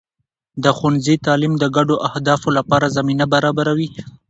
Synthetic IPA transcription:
d̪əxanzit̪ɑlimd̪əɡaɖoʔahd̪ɑfolapɑɾazaminabaɾɑbaɾawi

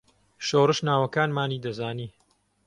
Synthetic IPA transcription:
ʃoːrɨʃnaːwɐkaːnmaːniːd̪ɐzaːniː

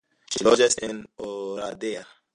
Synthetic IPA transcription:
ʃilod͡ʒasenoɾadea

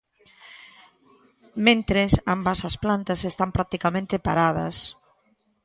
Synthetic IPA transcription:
mẽnt̪ɾesambasasplant̪ɐsest̪ampɾak̚t̪ikamẽnt̪ɪpaɾað̞ɐ̰s

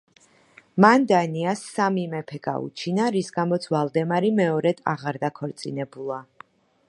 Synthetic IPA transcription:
mand̪aniasːamimɛpʰɛɡa̰ṵt͡ʃʰinaɾisɡamɔt̪sʰvalˠd̪ɛmaɾimɛɔɾɛd̪̥a̰ʁaɾd̪akʰɔɾt̪sʼinɛbulˠa

